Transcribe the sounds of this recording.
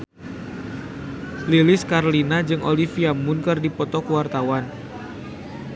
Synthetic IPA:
lilɪskaɾlinad͡ʒɨŋʔo̰lifiamʊnkɨrdipɔt̪ɔkuwart̪awan

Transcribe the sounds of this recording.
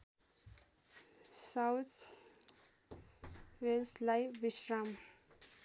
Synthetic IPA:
sawt̪ʰ | ʋelslajʋiʃɾam

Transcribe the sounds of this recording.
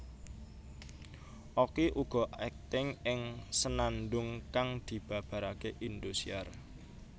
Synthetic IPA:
ʔokiʔuɡ̥ɔ̤ʔɛk̚t̪ɪŋɪŋsənanɖ̪ʊŋkaŋd̪̥i̤b̥ä̤b̥a̤ɾakeʔind̪usiar

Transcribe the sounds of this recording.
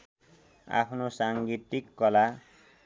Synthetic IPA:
a̰pʰnosaŋɡit̪ikːʌla

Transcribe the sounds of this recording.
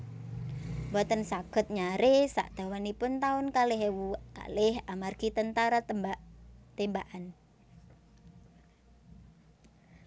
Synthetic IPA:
bɔt̪ənsaɡ̥ə̤t̪̚ɲaɾɪsa̰ʔd̪̥a̤wanipʊnt̪aʊnkalɪɦewuka̰lɪhamarɡ̥it̪ənt̪aɾa | t̪embaʔan

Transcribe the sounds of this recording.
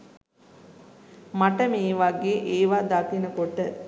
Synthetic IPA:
maʈəmeːʋaɡeːʔeːʋaːd̪at̪inəkoʈə

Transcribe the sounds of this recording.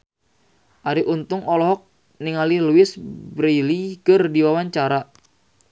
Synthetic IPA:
ʔaɾiʔunt̪ʊŋɔlɔɦɔk̚ | niŋaliluɪsbɾelikərdiwawaɲt͡ʃaɾa

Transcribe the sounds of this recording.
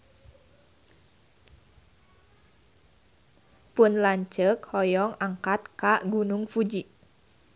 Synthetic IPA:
pʊnlaɲt͡ʃəkhɔjɔŋaŋkat̪̚kaɡunʊŋfud͡ʒi

